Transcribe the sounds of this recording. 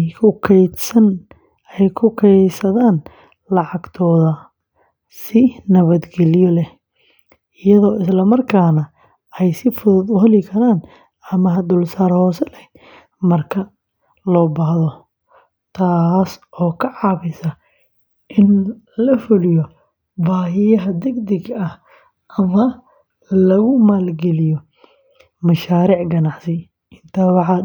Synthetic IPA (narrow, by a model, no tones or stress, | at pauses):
jkʰʊkʰɛj̪sɐn | ɛjkʰʊkʰɛjsɐðaːn | lɑʕɑɡt̪ʰɔːðɐ | sɪnɐβɐd̪ɡɛlɪjɔlɛ | ɪjɐðɔːɪslɐmɐrkʰaːnɐ | ɛjsɪfʊðʊðʊɦɐlɪkʰɐɾaːn | ɐmɐɦɐd̪ʊlsaːɾhɔːsɛlɛ | mɐrkʰɐ | lɔːbahðɔ | t̪ʰaːsʔɔːkʰɐʕɑːβɪsɐ | ʔɪn | lɐfʊlijɔ | baːɦɪjɐɦɐd̪ɛɡd̪ɪɡɐh | ʔɐmɐ | lɐɣʊmaːlɡɛlɪjɔ | mɐʃaːɾiːʕɡɐnɑʕsɪ | ʔɪnt̪ʰɐːwɑħɑ